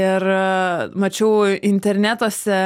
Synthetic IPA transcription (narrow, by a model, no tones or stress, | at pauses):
ɪr | mɐt͡ʃʲɛʊɪnʲt̪ʲɛɾʲnʲæːt̪oːsʲɛ